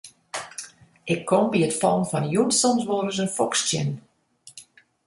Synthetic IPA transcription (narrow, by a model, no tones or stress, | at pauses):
ʔɪkʰːɔmbiətfɔlˠnfɔnjunsɔmsʋoːrəs̬ənfɔkstjɪ̰n